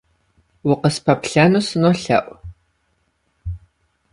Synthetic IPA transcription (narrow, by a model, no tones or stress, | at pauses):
wʊqəspʰɐpɬɐnusɨnoɬɐ̰ʔʷ